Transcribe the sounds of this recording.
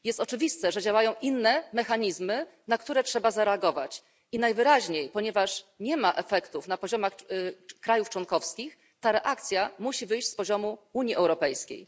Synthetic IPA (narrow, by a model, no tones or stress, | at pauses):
jɛst̪ɔt͡ʂɘvʲist̪ɛʐɛd͡ʑawajɔ̃w̃ʔinːɛmɛxaɲizmɘnakt̪uɾɛtʂɛbazaɾɛaɡɔva̰t͡ɕ | inajvɘɾaʑɲejpɔɲɛvaʂɲɛmaʔɛfɛkt̪ufnapɔʑɔmaxkɾajuft͡ʂwɔnkɔfskʲix | t̪aɾɛʔakt̪sʲjamuɕivɘjɕt͡ɕspɔʑɔmuuɲjiʔɛwɾɔpɛjskʲḛj